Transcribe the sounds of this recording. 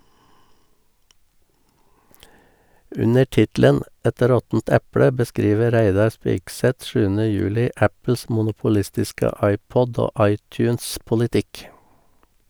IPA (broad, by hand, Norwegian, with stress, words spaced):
ˈʉnə ˈʈɪtlən ˈɛt ˈɾɔtn̩t ˈɛpɽə bəˈskɾiːʋə ˈɾæɪdɑɾ ˈspɪksɛt ˈʃʉːənə ˈjʉːlɪ ˈæpl̩s mʊnʊpʊˈlɪstɪskə ˈɑɪˌpɔd ˈoː ˈɑɪˌtjʉːnspʊlɪˌtɪk